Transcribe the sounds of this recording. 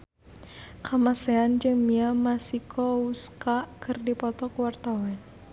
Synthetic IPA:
kamasɛand͡ʒəŋmiamasikʰɔuskakɨrdipɔt̪ɔkuwart̪awan

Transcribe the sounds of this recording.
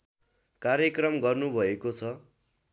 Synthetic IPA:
kaɾjʌkrʌmɡʌrnubʱʌekot͡sʰʌ

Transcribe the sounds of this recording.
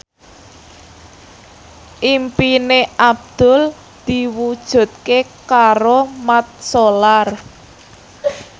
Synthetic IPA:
ʔimpineʔab̚d̪̥ʊ̤l | d̪̥i̤wud̥ʒ̥ṳt̪̚kekaɾomat̪̚solar

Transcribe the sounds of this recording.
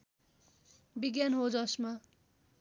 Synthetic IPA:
biɡjanɦod͡zʌsma

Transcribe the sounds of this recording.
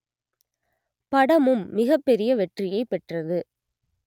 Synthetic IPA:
pɐɽɐmɯmːɪɣɐpːɛɾɪjɐʋɛʈrɪjɐɪpːɛʈrɐðɯ

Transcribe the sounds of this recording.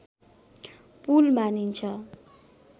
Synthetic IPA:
pulmanint͡sʰʌ

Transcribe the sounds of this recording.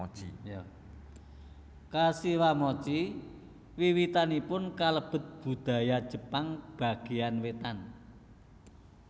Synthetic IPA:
t͡ʃija | kasiwamɔt͡ʃi | wiwit̪anipʊnkaləb̥ə̤t̪̚b̥ṳd̪̥a̤jad̥ʒ̥ə̤paŋb̥a̤ɡ̥e̤anwet̪an

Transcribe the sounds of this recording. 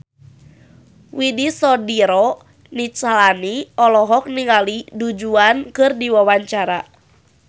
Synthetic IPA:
widisɔdiɾɔ | nit͡ʃalaniɔlɔɦɔk̚niŋalidud͡ʒuankɨrdiwawaɲt͡ʃaɾa

